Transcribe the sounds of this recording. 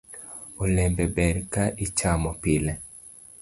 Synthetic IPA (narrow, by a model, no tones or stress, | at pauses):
olɛmbɛbɛɾkaʔit͡ʃamɔpilɛ